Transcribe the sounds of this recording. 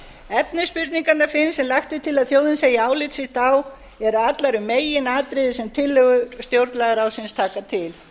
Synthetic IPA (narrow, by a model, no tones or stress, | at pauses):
ɛpnɪspʏɾt̪niŋkat̪naɾfɪnsɛmlajxt̪ɪt̪ʰɪlaðθjoːwðɪnseːjaaːwlɪt̪sɪxt̪aw | ɛɾʏat̪laɾʏmeːjɪnaːt̪ɾɪðɪsɛmt̪ʰɪlːʏɣʏɾst̪jowɾt̪laɣaɾawsɪnst̪ʰaːkat̪ʰɪl